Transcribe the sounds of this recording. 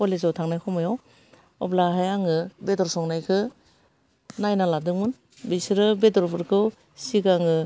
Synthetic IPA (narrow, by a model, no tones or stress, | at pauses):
kɔlezawtʰaŋnajkʰɔmajɔw | ɔblaɦajaŋɯbedɔɾsɔŋnajkʰɯ | najnaladɯŋmɯn | besiɾɯbedɔɾbʰɯɾkʰɯw | sikaŋɯ